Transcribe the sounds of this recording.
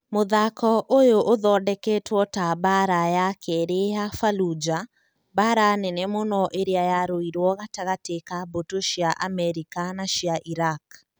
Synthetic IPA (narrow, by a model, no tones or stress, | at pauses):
moðakɔʔojoʔoðɔːdɛkɛtwɔtabaɾajakʰɛɾeafalud͡ʒa | baɾanɛnɛmonɔʔeɾeajaɾoiɾwɔɣataɣatekabotoʃiaʔamɛɾikanaʃiaʔiɾak